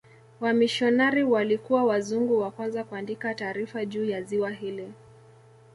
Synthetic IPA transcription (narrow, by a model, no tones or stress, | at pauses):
wamiʃɔnaɾiwalikuwawazuŋɡuwakwanzakuandikataːɾifaʄuːjaziwaɦili